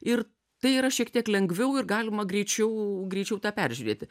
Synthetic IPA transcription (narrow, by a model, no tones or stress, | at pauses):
ɪr | t̪ɐɪiːɾɐʃʲiɛkt̪ʲiɛklʲɛŋɡʋʲɛʊɪrɡɑːlʲɪmɐɡɾʲɛɪt͡ʃʲɛʊɡɾʲɛɪt͡ʃʲɛʊt̪ɑːpʲæɾʲʒʲʉɾʲeːt̪ʲɪ